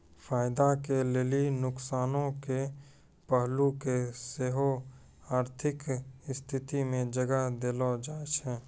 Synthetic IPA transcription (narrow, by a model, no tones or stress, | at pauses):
fʰaːɪd̪akeleːlinʊksaːnõke | pəɦlukeseɦo | aːɾt̪ʰɪkɪst̪ʰɪt̪imẽd͡ʒəɡaɦd̪eːlod͡ʒaːet͡ʃʰɛː